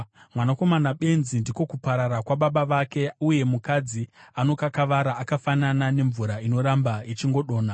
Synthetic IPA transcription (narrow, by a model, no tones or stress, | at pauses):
mwanako̞manaɓe̞nzindiko̞kupaɾaɾakwaɓaɓaʋake̞uje̞mukad͡ziano̞kakaʋaɾaːkafananane̞ɱvuɾaino̞ɾambait͡ʃiŋɡo̞ɗo̞ːna